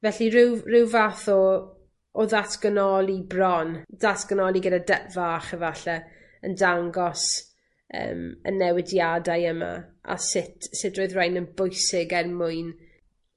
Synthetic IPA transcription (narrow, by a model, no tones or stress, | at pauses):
vɛɬiɾɪwrɪwvaθɔ | ɔðatʰɡ̥ənɔlˠibrɔnðatʰɡ̥ənɔlˠiɡədadɛʔvaχɛvaɬɛ | əndaŋɡɔs | ə̰ːmə̰nːɛwɪdjadajəma̰ʔa̰sɪtʰsɪdroːɨðrajnənbʊjsɪɡɛrmʊɨn